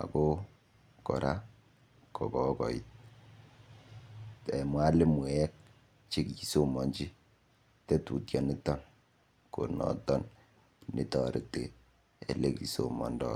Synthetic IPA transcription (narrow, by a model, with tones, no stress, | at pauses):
a̰˨ko˦ | kɔ˨ɾʔa̰˦ | kɔ˨kɔ˦kɔ˨i˦t̚ | tɛ˨mwa˦le˦mwɛ˨ɛ˦k̚ | t͡ʃi˦kji˨so˦mɔ˨ɲd͡ʒi˦ | te˦tu˨tjɔ˨nɪ˦tɔ˦n | ko˨nɔ̰˨tɔ˦n | ni˨tɔ˨ɾi˨tḛ˨ | e˨le˦ki˨so˨mɔ̰˨ndɔ̰˦